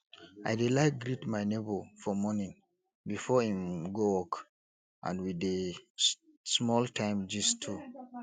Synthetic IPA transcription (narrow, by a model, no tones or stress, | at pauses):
ajdelaɪk̚ɡɹitmajnebofɔmɔnĩŋ | bifɔhĩmɡowɔk | ʔã̰ndwide | smɔltʰãɪ̃md͡ʒistʰu